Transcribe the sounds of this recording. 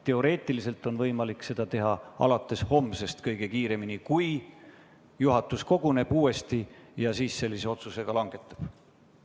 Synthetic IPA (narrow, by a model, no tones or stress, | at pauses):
t̪e̞o̞ɾe̞ːt̪ːˑilise̞lt̪ːˑo̞nvɤjmɑlikse̞d̪ɑt̪e̞ɦɑɑ̰lɑt̪ːˑe̞sho̞mːse̞st̪kɤjɡ̥e̞kiːɾe̞minikuj | juɦɑt̪ːˑusko̞ɡ̥une̞b̥uːe̞st̪ijɑsiːsse̞lʲːise̞o̞t̪suse̞ɡ̥ɑlɑŋɡ̥e̞t̪ːˑɑ̥b̥